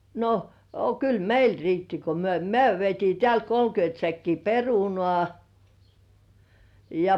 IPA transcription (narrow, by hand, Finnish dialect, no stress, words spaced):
no ɑ kyl meil riːtːi ko myø myø ʋietiː teælt kolkyønt sækːiː perunŏɑˑ jɑ